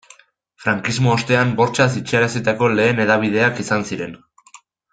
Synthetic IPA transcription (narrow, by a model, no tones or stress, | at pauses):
fɾaŋkizmo̞ost̪e̞ambo̞ɾt͡ʃas̬it͡ʃiaɾasit̪ako̞le̞ːne̞ðaβ̞ið̞e̞akisansiɾe̞n